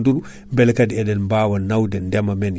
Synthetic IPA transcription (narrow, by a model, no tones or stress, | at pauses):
nduɾu | mbɛlkadiɛdɛnmbaːwanːawdɛndɛmamɛn